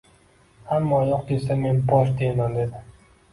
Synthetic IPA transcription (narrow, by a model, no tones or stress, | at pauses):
hamːɒjɒq̚d̪esame̞nbɒʃ̬d̪emand̪e̞d̪ɪ